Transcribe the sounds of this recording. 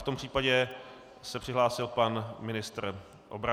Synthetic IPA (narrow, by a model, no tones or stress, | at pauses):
t̪ompr̥iːpaɟɛ | sɛpr̥ɪɦlaːsɪlpanmɪnɪst̪r | ʔobɾa